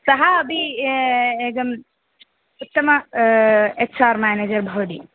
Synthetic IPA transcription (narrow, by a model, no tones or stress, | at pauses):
sɐɦaːbʱi | eːk̚d̪ɐm | ʊt̪ːɐmɐ | eksʰaːɾmaːneːd͡ʒɐɾbʱɐʋd̪i